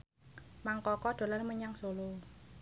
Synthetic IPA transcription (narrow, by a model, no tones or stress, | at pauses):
maŋkɔkɔɖ̪̥o̤lanməɲaŋsolo